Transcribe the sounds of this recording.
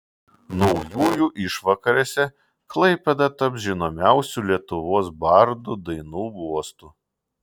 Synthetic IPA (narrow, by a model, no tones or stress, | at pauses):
nɔʊjuːjuːʔɪʃʋɐkɐɾʲeːsʲɛ | klˠɐɪpʲɛd̪ɐt̪ɐpʒʲɪnoːmʲæʊsʲuːˑlʲiɛt̪ʊʋoːsbɐɾd̪ud̪ɐɪnuːɡuɔst̪u